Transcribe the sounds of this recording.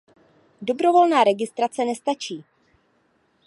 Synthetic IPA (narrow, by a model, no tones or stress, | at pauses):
do̞bɾo̞vo̞lnaːɾɛɡɪst̪ɾat͡sɛnɛst̪at͡ʃiː